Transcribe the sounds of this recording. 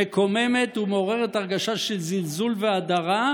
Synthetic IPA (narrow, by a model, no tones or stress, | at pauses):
eko̞me̞me̞tumeoʁeʁetaʁɡaʃaʃelzilzulveadaʁa